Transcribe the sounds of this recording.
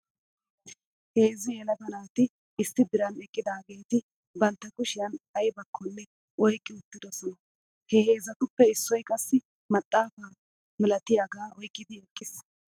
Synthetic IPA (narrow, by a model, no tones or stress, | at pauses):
heːzɪjɛlɐbɐnaːt̪ɪ | ɪstːɪd̪ɪɾɐnɛkʼːɪd̪aːɡe̞ːt̪ɪ | bɐnt̪ːɐkʊʃɪjɐnɐjbɐkʰːɔnːɛ | ɔjkʼːɪʊt̪ːɪd̪ɔsɔnɐ | hɛheːzɐt̪ʊpːɛɪsːɔjkʼɐsːɪ | mɐt̪ʼːaːfaː | mɪlɐt̪ɪjaɡaːʔɔjkʼːɪd̪ɪɛkʼːɪs